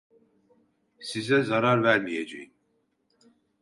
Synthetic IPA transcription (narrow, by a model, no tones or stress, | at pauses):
sizɛzaɾaɾvæɾmijed͡ʒḛjin